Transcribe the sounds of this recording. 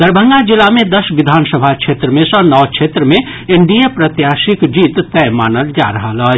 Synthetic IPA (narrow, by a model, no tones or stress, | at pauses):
d̪əɾbʱə̃ŋɡad͡ʒɪlamẽd̪ɐʃʋɪd̪ʱaːnsəbʱakt͡ʃʰeːt̪ɾəmẽsə̃nɔːkʃʰeːt̪ɾəmẽ | ɪɳɖijepɾət̪jaːsɪkd͡ʒiːt̪ːɛːmaːnəld͡ʒa̰ːɾɐɦələ